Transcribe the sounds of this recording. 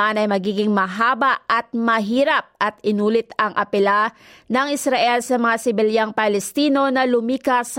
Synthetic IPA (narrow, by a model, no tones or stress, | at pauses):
anɐjmɐɡiːɡɪŋmɐɦaːbaʔɐt̪̚mɐɦiːɾap̚ɐt̪ɪnuːlɪt̪ɐŋʔɐpɛlanɐŋɪsɾɐʔɛlsɐmɐŋasɪbɛljaŋpɐlɛst̪iːno̞nɐlʊmiːkɐs